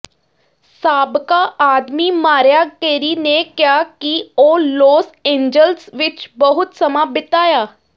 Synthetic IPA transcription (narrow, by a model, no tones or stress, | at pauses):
saːbkaːʔaːd̪miːmaːɾjaːkeːɾiːneːkjaːkioːloːsẽːɲd͡ʒəlsʋɪt͡ʃbəɦʊt̪səmaːbɪt̪aːjaː